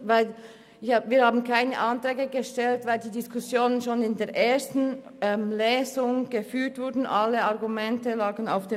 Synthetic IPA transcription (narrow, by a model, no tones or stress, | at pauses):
vaɪl | viːɐhaːbn̩kʰaɪnə̰ʔantɾɛːɡəɡəʃtɛltvaɪldiːdɪskʰʊsjoːnənʃoːnɪndeːɐʔeːɐstn̩ | ɛmlɛːzʊŋɡ̥əfyːtv̥ʊɐdn̩ʔaləaʁɡumɛntəlaːɡən̩a̰ʊfd̥eː